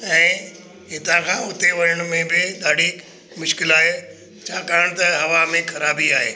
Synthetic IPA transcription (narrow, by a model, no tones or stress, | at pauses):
ɛ̃ː | ɦɪt̪ãkʰãːʊt̪eʋɐɾəɽ̃ʊmẽbɪɗ̪aːɖʱi | mʊʃkɪlaːɦe | t͡ɕʰaːkaːɪɽ̃t̪ɐɦɐʋamẽkʰɐɾaːbiaːɦeː